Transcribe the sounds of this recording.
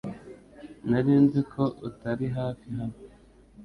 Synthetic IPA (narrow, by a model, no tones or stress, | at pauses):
naɾiːnzikʰo̞ʔutaɾiɦaːfiɦano